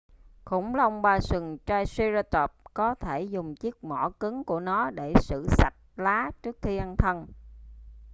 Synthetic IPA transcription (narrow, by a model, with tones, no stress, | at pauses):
kʊ̰˧˩˨ŋ͡mlaː˨˩ʔɔ˧wŋ͡mɓaː˧˩sɨ˨˩ŋt͡ɕaː˧jswi˧zaː˧t̪ɔ˨˩p̚kɔ˨˦t̪ʰe˧˩zʊ˨˩ŋ͡mt͡ɕi˦˥ək̚mɔ˧˩kɨ˨˦ŋku˧˩ənɔ˨˦ɗe˧˩sɨ̰˧˨sa˨˩t̚laː˨˦t͡ɕɨ˦˥ək̚xi˧ʔa˧nt̪ʰə˧n